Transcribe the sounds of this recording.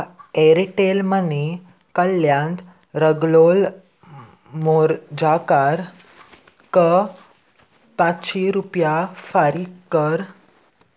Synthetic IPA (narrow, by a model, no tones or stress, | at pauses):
eɾiʈelməni | kəlːjãnt̪ | ɾəɡlol | moɾd͡ʑakaɾ | kə | patɕiɾupjafaɾiəɾ